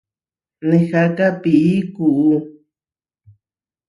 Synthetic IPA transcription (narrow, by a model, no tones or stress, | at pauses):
nẽxakapiʔikuʔu